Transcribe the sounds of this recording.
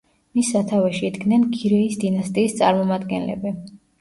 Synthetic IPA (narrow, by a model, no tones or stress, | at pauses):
misːat̪ʰavɛʃiːd̪ɡnɛnɡiɾɛisd̪inast̪ʼiːst̪sʼa̰ɾmɔmad̪ɡɛ̰nlɛ̰bi